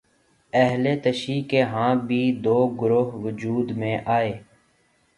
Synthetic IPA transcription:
ɛɦleːt̪əʃiːkeːɦãːbʱiːd̪oːɡɾʊɦʋəd͡ʒuːd̪mẽːʔaːeː

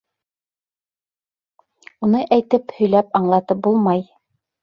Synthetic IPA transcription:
unɤʔæjt̪ɘphɵ̆jlæpɑɴlˠɑt̪ɤp̚bulˠmɑj

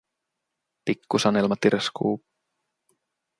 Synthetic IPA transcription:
pikːusɑnelmɑt̪iɾʔeskṵːp

